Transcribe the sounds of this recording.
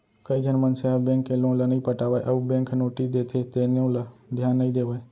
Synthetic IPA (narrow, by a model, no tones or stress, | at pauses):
kəid͡ʒənmənseabẽːŋkːelõːlənəĩpəʈaːʋaʔɐubẽːŋkʰnoːʈid̪eːt̪ʰet̪enõləd̪ʱjaːnːəĩd̪eːʋəe